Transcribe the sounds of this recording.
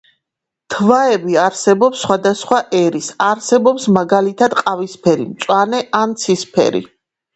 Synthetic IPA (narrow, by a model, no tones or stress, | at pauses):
t̪ʰvaɛbiaɾsɛbɔpsːχwad̪asχwaʔɛɾisaɾsɛbɔpsmaɡalit̪ʰad̪qʼavispʰɛɾḭmt̪sʼwanɛʔant̪sʰispʰɛ̰ɾḭ